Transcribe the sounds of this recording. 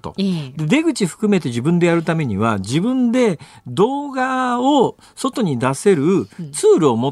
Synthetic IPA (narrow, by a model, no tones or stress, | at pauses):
t̪o̞̰d̪e̞d̪e̞ɡɯ̟t͡ɕiɸɯ̥kɯme̞t̪e̞ʑibɯ̟̃nd̪e̞jaɾɯ̟t̪ame̞ɲ̟iβ̞ad͡ʑibɯ̟̃nd̪e̞d̪o̞ːɡao | so̞t̪o̞ɲ̟id̪ase̞ɾɯ̟t͡sɨːɾɯ̟o̞mo